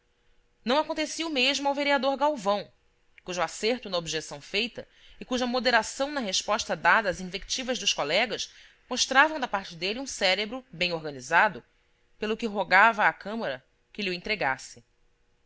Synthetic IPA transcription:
nɐ̃w̃akõnt̪esiumeʒmʊawveɾiad̪oɾɡawvɐ̃w̃ | kuʒʊaseɾt̪ʊnɐobiʒesɐ̃w̃fejt̪ɐ | ɪkuʒɐmod̪eɾasɐ̃w̃nɐɦeʃpɔʃt̪ɐd̪ad̪ɐːzĩvekt͡ʃivɐzd̪ʊʃkolɛɡɐʃ | moʃt̪ɾavɐ̃w̃d̪ɐpaɾt͡ʃɪd̪elɪũsɛɾebɾʊbẽj̃oɾɡɐnizad̪ʊ | pelʊkɪɦoɡavɐːkɐ̃mɐɾɐ | kɪliuẽt̪ɾeɡasɪ

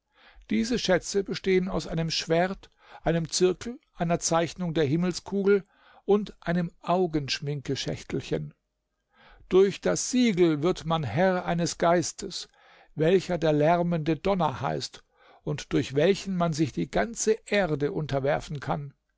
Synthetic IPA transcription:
d̥iːzəʃɛt͡səbəʃteːənaʊsʔaɪnəmʃv̥eɐt | ʔaɪnəmt͡sɪɐkl̩ʔaɪnɐt͡saɪçnʊŋdeːɐɦɪml̩skʰuːɡl̩ | ʔʊntʔaɪnəmʔaʊɡənʃmɪŋkəʃɛ̰çtl̩çə̰n | d̥ʊɐçd̥asz̥iːɡl̩vɪɐtmanhɛʁʔaɪnəsɡ̥aɪstʰəs | vɛlçɐdeːɐlɛʁməndədɔnɐ̰ha̰ɪst | ʊntd̥ʊɐçv̥ɛlçn̩manzɪçd̥iːɡant͡səʔeːɐdəʔʊntɐvɛɐfn̩kʰan

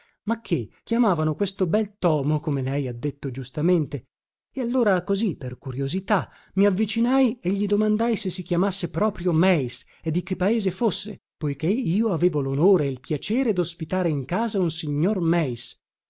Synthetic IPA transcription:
makʰːekʲːjamaːvanokwest̪obɛlt̪ɔːmokomelɛjad̪ːet̪ːod͡ʒust̪ament̪e | ealːoːɾakoziperkuɾjozit̪a | miavːit͡ʃinajeʎːid̪omand̪ajsesːik̟jamasːepɾɔːpɾjomɛjs | ed̪ːik̟ːepːaeːzefosːḛ | pojkeiːoaveːvolonoːɾeilpjat͡ʃeːɾed̪ospit̪aːɾeiŋkaːzaunsiɲːormɛjs

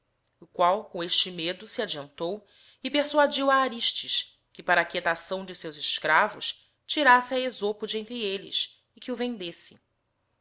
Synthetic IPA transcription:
ʊkwawkõeʃt͡ʃɪmed̪ʊsiad͡ʒiɐ̃nt̪ow | ɪpeɾsuad͡ʒiwaːɾiʃt͡ʃiʃ | kɪpaɾɐːkiet̪asɐ̃w̃d͡ʒɪsewzɪʃkɾavʊʃ | t͡ʃiɾasɪaezopʊd͡ʒẽnt̪ɾielɪ̰s | ɪkɪʊvẽnd̪esɪ̥

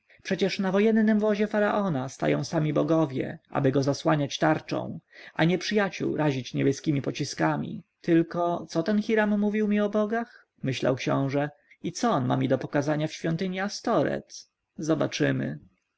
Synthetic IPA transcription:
pʂɛt͡ɕɛʂnavɔjɛnːɘmvɔʑɛfaɾaʔɔnast̪a̰jɔ̰̃w̃samʲibɔɡɔvʲjɛ̰ʔa̰bɘɡɔzaswaɲat͡ɕt̪aɾt͡ʂɔ̰̃w̃ʔaɲɛpʂɘjat͡ɕṵwɾaʑit͡ɕɲɛbʲɛskʲimʲipɔt͡ɕiskamʲḭt̪ɘlkɔt̪sɔt̪ɛnxʲiɾamːuvʲiwmʲiɔbɔɡax | mɘɕla̰wkɕɔ̰̃w̃ʐɛ | it̪sɔɔnma̰mʲid̪ɔpɔkazaɲafɕfʲjɔnt̪ɘɲiast̪ɔɾɛ̰t̪ | zɔbat͡ʂɘmɘ̰

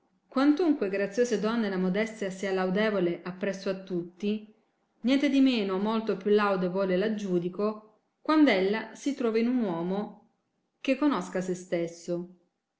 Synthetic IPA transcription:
kwant̪uŋkweɡɾat̪sːjoːsed̪ɔnːelamod̪ɛst̪jasialawd̪ɛːvoleʔapːɾɛsːoat̪ːut̪ːi | njɛnt̪ed̪imeːnomolt̪opjulawd̪evɔːlelad͡ʒːuːd̪iko | kwand̪ɛlːasit̪ɾɔːvainunwɔːmo | k̟ekːonɔskasest̪esːo

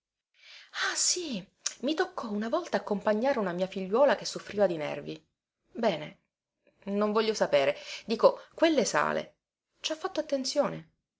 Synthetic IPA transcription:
asi | mit̪okʰːɔunavɔlt̪aːkːompaɲːaːɾeunamiːafiʎːwɔːlakesːofɾiːvad̪inɛ̰rvi | bɛːne | noɱvɔʎːosapeːɾed̪iːkokwelːesa̰ːlḛ | t͡ʃafːat̪ːoat̪ːent̪sjoːne

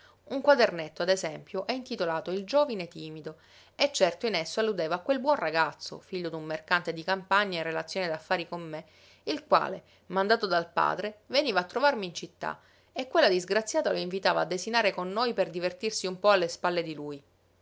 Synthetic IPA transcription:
uŋkwad̪ernet̪ːoad̪ezɛmpjoʔɛint̪it̪olaːt̪oild͡ʒoːvinet̪iːmid̪o | ɛt͡ʃːɛrt̪oinesːoalːud̪eːvaːkwelbwɔnraɡat̪sːo̰fiʎːod̪umːerkant̪ed̪ikampaɲːaerːelat̪sːjoːned̪afːaːɾikomːe | ilkwa̰ːle | mand̪aːt̪od̪alpa̰ːd̪ɾeveniːvaːt̪ːɾovarmiːnt͡ʃit̪ːa̰ | ekːwelːad̪izɡɾat̪sːjaːt̪aloiɱvit̪aːva̰ːd̪ːezinaːɾekonːojperd̪ivert̪irsiumpɔalːespalːed̪iluj

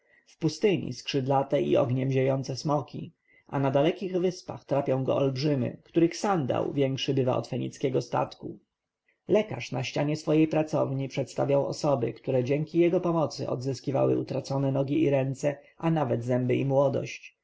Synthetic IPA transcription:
fpust̪ɘɲḭskʂɘd̪lat̪ɛʔḭɔ̰ɡɲɛmʑejɔnt̪sɛsmɔkʲḭ | ʔanad̪alɛkʲiɣvɘspa̰xt̪ɾapʲjɔ̃w̃ɡɔ̰ɔlbʐɘmʲɘ̰kt̪uɾɘxsand̪a̰wvʲjɛŋkʂɘbɘva̰ɔ̰t̪fɛɲḭt̪skʲɛɡɔst̪a̰t̪ku | lɛka̰ʂnaɕt͡ɕaɲɛsfɔjejpɾat̪sɔvɲipʂɛt̪st̪avʲjawɔ̰sɔbɘkt̪uɾɛd͡ʑɛŋkʲijɛɡɔpɔmɔt̪sɘ̰ʔɔ̰d̪zɘskʲiva̰wɘ̰ut̪ɾat̪sɔnɛnɔɡʲiiɾɛnt̪sɛ | anavɛd̪zɛmbɘimwɔd̪ɔ̰ɕt͡ɕ

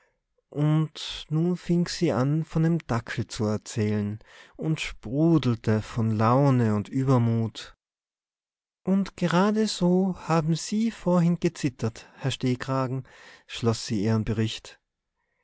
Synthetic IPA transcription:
ʔʊntnuːnfɪŋz̥iːʔanfɔndeːmd̥akʰl̩t͡suɛɐt͡sɛːlənʔʊntʃpʁuːdl̩tʰəfɔnlaʊnəʊntʔyːbɐmuːt | ʔʊntɡ̥əʁaːdəz̥oːhaːbm̩ziːfoːɐɦɪnɡ̥ət͡sɪtʰɐthɛɐʃteːkʁ̥aːɡŋ̩ʃlɔsz̥iːiːʁənbəʁɪçt

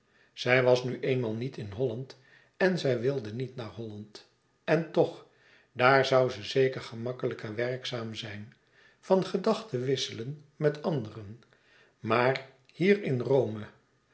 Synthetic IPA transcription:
z̥ɛjʋɑsnyʔejnmaːlˠnitɪnɦɔlɑnt | ɛnzɛjʋɪlˠdənitnaːɹɦɔlɑnt | ɛntɔχ | daːɹzɑwzəzejkəɹχəmɑkələkəʋɛrksaːmzɛjn | fɑnχədɑχtəʋɪsələnmɛtɑndərən | maːr | hiːrɪnrowmə

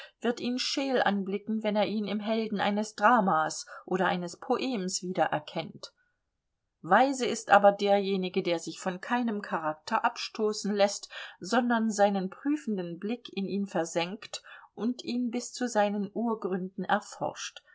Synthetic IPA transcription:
v̥ɪɐtʔiːnʃeːlʔa̰nblɪkŋ̩vɛneːɐʔiːnɪmɦɛldn̩ʔa̰ɪnəsd̥ʁaːmaːsʔoːɾɐʔaɪnəspʰoʔeːmsv̥iːdɐʔɛ̰ɐkʰɛnt | vaɪzəɪstʔaːbɐdeːɐjeːnɪɡədeːɐzɪçfɔnkʰaɪnəmkʰaʁ̞ak̚tʰɐʔapʃtʰoːsn̩lɛstz̥ɔndɐnzaɪnənpʁ̥yːfn̩dənblɪkʰɪniːnfɛɐzɛŋktʔʊntʔiːnbɪst͡suzaɪnənʔuːɐɡʁʏndn̩ɛɐfɔ̰ɐʃt

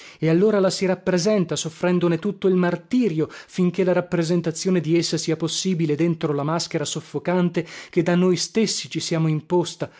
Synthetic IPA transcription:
ealːoːɾalasiɾapːɾezɛnt̪asofːɾɛnd̪onet̪ut̪ːoilmart̪iːɾjofiŋk̟elːaɾapːɾezent̪at̪sːjoːned̪iesːasiːaposːiːbiled̪ent̪ɾolamask̟eɾasofːokant̪ek̟ed̪anːojst̪esːit͡ʃisjaːmoimpost̪a

